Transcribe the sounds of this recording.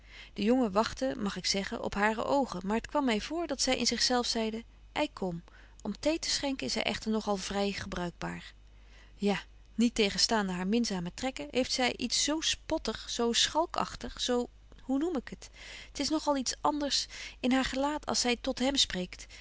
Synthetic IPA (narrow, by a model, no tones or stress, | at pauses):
d̥əjɔŋəʋɑχtəmɑχɪksɛχə̰nʔɔ̰pɦaːrə̰ʔowχənmaːɹɦətkʋɑmːɛjvʊːɹdɑtsɛjʔɪ̰nzɪχsɛlˠfsɛjdə | ʔɛjkʰɔm | ɔmtejtə̥sχɛŋkəɪsɦɛ̰jʔɛ̰χtəɹnɔχɑlˠvrɛjχəbrœɥɡ̚ba̰ːɹ | jaː | nitejχənstaːndəɦaːɹmɪnzaːmətrɛkəɦejftsɛjʔitsːowspɔtəχsowsχɑlˠkʰɑ̰χtəχsow | hunumɪkəttɪsnɔχɑlˠitsɑndəɹsɪnɦaːɹχəlaːtʰɑ̰lˠsɛjtɔtɦɛmsprejkt